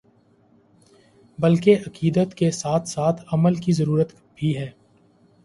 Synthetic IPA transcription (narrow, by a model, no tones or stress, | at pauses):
bɐlkeʔɐkiːd̪ət̪kesaːt̪ʰsaːt̪ʰɐməlkizəɾuːɾət̪ | bʱiɦɛː